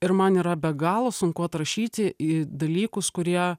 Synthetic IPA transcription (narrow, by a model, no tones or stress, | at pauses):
ɪɾmɐniːɾɐbʲɛɡɑːlˠosʊŋkʊɐt̪ɾɐʃʲiːt̪ʲɪiːd̪ɐlʲiːkʊskʊɾʲiɛ